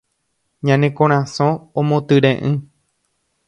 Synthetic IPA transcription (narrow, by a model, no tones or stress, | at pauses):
ɲãnẽkõɾ̃ãsõõmõt̪ɨɾẽʔɨ̃